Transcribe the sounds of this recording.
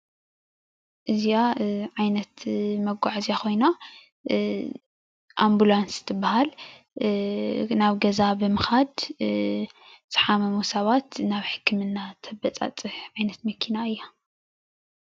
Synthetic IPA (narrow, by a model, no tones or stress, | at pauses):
ʔɨziaʕajnɐt̪mɐɡʷaʕziako̞jna | ʔambulansɨ̥t̪ʰɨbːahal | naβɡɐzabɨmɨxad̪ | z̥ɨ̥ħamɐmusɐβat̪naβħɨ̥kːɨmɨnːat̪ʰɐbɐt͡sʼa̰t͡sʼɨħʕajnɐt̪mɐkʰːinaɨjːa